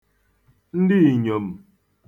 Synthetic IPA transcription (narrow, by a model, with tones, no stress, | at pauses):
n̩˦dɪ˦i˨ɲo˨m̩˨